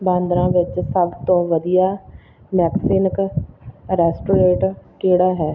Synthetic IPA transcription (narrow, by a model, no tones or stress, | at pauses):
bãːnd̪ɾãːʋɪt͡ʃsəbt̪õːʋəd̪ijaː | mɛːksɪnk | ɾɛːsʈoːɾeːʈkeːɽaːɦɛː